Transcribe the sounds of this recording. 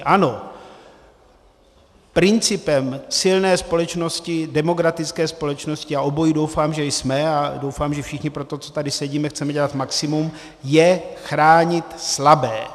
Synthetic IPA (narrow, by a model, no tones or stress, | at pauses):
ʔano̞ | pɾɪnt͡sɪpɛmsɪlnɛːspo̞lɛt͡ʃno̞scɪdɛmo̞ɡɾat̪ɪt͡skɛːspo̞lɛt͡ʃno̞scɪaʔo̞bo̞jidowfaːmʒɛjsmɛado̞wfaːmʒɛfʃɪxɲɪpɾot̪o̞t͡so̥t̪adɪsɛɟiːmɛxt͡sɛmɛɟɛlat̪maksɪmum | jɛxɾaːɲɪt̪slabɛː